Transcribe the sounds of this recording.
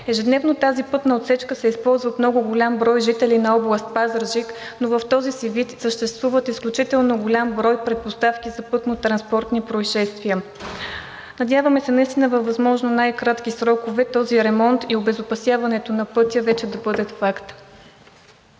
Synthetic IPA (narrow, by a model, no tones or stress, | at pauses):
ɛʒɛd̪nɛvnot̪azipɤt̪nɐot̪sɛt͡ʃkəsɛispɔlˠzvɐt̪mnɔɡʊɡʊlʲambɾɔjʒit̪ɛlinɐɔblˠəst̪̚pazəɾʒiknovɐft̪ɔzisivit̪səʃt̪ɛst̪vuvət̪isklʲut͡ʃit̪ɛlˠnoɡʊlʲambɾɔjpɾɛt̪̚post̪afkizɐpɤt̪not̪ɾɐnspɔɾt̪nipɾoiʃɛst̪viə | nɐd̪ʲjavəmɛsɛnɐist̪inəvɐvɐzmɔʒnonajkɾat̪k̟isɾɔkovɛt̪ɔziɾɛmɔnt̪iobɛzʊpɐsjavɐnɛt̪onɐpɤt̪ʲjəvɛt͡ʃɛd̪ɐbɤd̪ət̪fakt̪